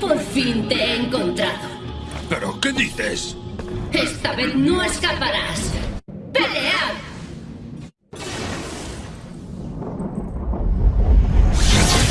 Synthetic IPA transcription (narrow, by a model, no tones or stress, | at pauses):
poɾfint̪eeŋkont̪ɾaðo | peɾokeðiθes | est̪aβeθnõeskapaɾas | peleað